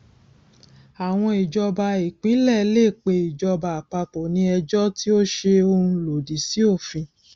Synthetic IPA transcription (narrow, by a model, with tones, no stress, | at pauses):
a˨w̃ɔ̃˧i˨d͡ʒɔ˧ba˧i˨k͡pĩ˨˦lɛ˦˨˦le˦˨k͡pe˧i˨d͡ʒɔ˧ba˨k͡pa˧k͡pɔ˨nĩ˧ɛ˧d͡ʒɔ˦ti˦o˦ʃe˧o˧hũ˧lo˨di˨si˦o˦˨fĩ˧